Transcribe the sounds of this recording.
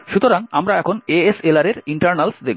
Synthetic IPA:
ʃut̪oɾaŋamɾaɛkʰoneeselaɾeɾiɳʈaɾnalsd̪e

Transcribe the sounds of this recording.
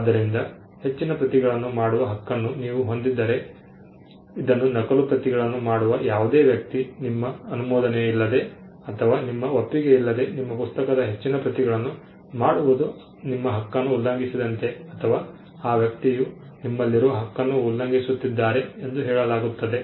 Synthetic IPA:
aːd̪ːɐɾind̪ɐ | he̞t͡ʃːinɐpɾɐt̪iɡɐɭɐnːumaːɽuʋɐɦɐkːɐnːuniːʋuɦo̞nd̪id̪ːɐɾe̞ | id̪ɐnːunɐkɐlupɾɐt̪iɡɐɭɐnːumaːɽuʋɐjaːʋud̪eːʋjɐk̚t̪inimːɐːnumɔːd̪ɐneilːɐd̪e̞ | ɐt̪ʰɐʋaːnimːɐopːiɡe̞ilːɐd̪e̞nimːɐpust̪ɐkɐd̪ɐɦe̞t͡ʃːinɐpɾɐt̪iɡɐɭɐnːu | maːɽuʋud̪u | nimːɐɦɐkːɐnːuːlːɐŋɡisid̪ɐnt̪e̞ɐt̪ʰɐʋaː | aːʋjɐk̚t̪iju | nimːɐlːiɾuʋɐɦɐkːɐnːuːlːɐŋɡisut̪ːid̪ːaːɾe̞end̪uɦɛːɭɐlaːɡut̪ːɐd̪e̞

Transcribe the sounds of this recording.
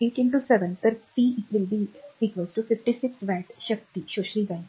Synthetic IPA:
eːʈɪ̃nʈusɛʋə̃nt̪əɾfiːɪʈʋɪlbiikʋosʈufɪfʈisɪksʋɛːʈʃɐk̚t̪iʃoːʃɾiːɡãɪ̃

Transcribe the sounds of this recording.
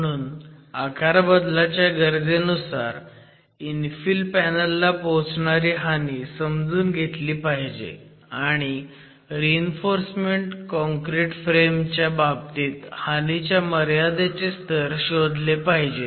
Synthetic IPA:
ɽ̃uːnakʰaɾbəd̪lat͡ɕjaɡəɾd͡zenusaɾ | infilpænəlːapoɦt͡sɳaɾiːɦanisəmd͡zuːnɡʱet̪liːpaɦid͡ʑḛ | aɽ̃i | ɾiinfoɾsmeɳʈkɔ̃ŋkɾiʈfɾemt͡ɕjabab̚t̪iːt̪hanit͡ɕjaməɾjad̪et͡sest̪ʰəɾɕod̪lepaɦid͡ʑe

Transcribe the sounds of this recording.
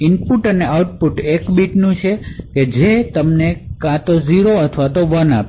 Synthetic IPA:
inpuʈəneawʈ̚puʈekbiʈnũt͡ʃʰeked͡ʒet̪əmnekãt̪oziɾoət̪ʰʋat̪oʋənap

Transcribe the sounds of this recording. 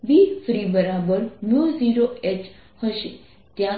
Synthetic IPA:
bifɾibəɾabəɾmjuziɾoet͡ʃ | həʃe | t̪jã

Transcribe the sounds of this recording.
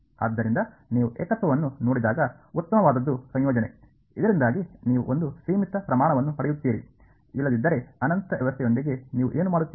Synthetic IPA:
a̰ːd̪ːɐɾind̪ɐ | niːʋuʔeɛ̰ːkɐt̪ʋɐʋɐnːuno̞ːɽid̪aːɡɐ | ut̪ːɐmɐʋaːd̪ɐd̪ːusɐ̃ɲjɔːd͡ʒɐne̞ | id̪ɐɾind̪aːɡiniːʋṵʔond̪usiːmit̪ːɐpɾɐmaːɳɐʋɐnːupɐɽɛjut̪ːiːɾḭ | ilːɐd̪id̪ːɐɾe̞ɐnɐnt̪ɐʋɛʋɐst̪ːɛjo̞nd̪iɡe̞niːʋuʔeːnumaːɽut̪ːi

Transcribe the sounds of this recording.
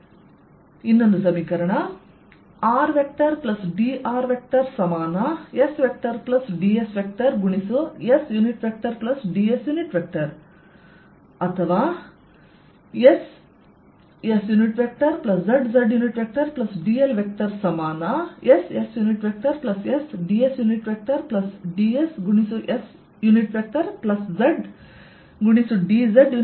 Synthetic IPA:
inːond̪usɐmiːkɐɾɐɳɐ | aːɾʋek̚ʈɐɾplɐsɖiːʔaːɾʋek̚ʈɐɾsɐmaːnɐesʋek̚ʈɐɾplɐsɖiːesʋek̚ʈɐɾɡuɳisuesjuːniʈʋek̚ʈɐɾplɐsɖiːesjuːniʈʋek̚ʈɐɾ | ɐt̪ʰɐʋaː | es | jesjuːniʈʋek̚ʈɐɾplɐszɐɖzɐɖjuːniʈʋek̚ʈɐɾplɐsɖiːelʋek̚ʈɐɾsɐmaːnaʔesesjuːniʈʋek̚ʈɐɾplɐsjesɖiːesjuːniʈʋek̚ʈɐɾplɐsɖiesɡuɳisuʔes | juːniʈʋek̚ʈɐɾplɐszɐɖ | ɡuɳ̃isuɖizɐɖju

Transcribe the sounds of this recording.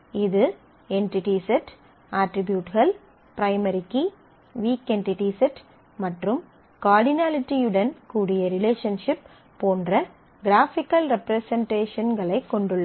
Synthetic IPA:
ɪðɯ | ɛɳʈɪʈisɛʈ | aːʈɾɪbjuːʈɣɐɭ | pɪɾɐɪmɐɾɪkːi | ʋiːkeɳʈɪʈiːsɛʈ | mɐʈrɯm | kaːɾɽɪnaːlɪʈːiɯɽɐnkuːɽɪjɐɾɪleːʂɐnʂɪpː | oːndrɐ | ɡɪɾaːfɪkːɐlɾɛpɾɐsɐɳʈeːʂɐnɡɐɭɐɪkːɔɳɖɯɭːɐ

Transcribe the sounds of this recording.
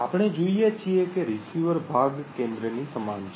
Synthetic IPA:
apɽ̃ed͡ʒoijet͡ʃʰiekeɾisuʋəɾbʱaɡkẽnd̪ɾənisəmant͡ʃʰ

